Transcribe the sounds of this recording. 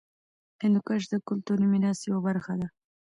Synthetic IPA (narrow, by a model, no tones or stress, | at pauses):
enʊkaʃ̬d̪əkʊlt̪uɾimɪɾɑst̪jawabaɾxad̪a